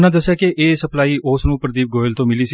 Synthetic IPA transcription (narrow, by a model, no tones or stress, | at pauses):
nãːd̪əsːjaːkeʔeːsəplaːiːʔoːsnũːpɾəd̪iːp̚ɡoːɪlt̪õːmɪliːsi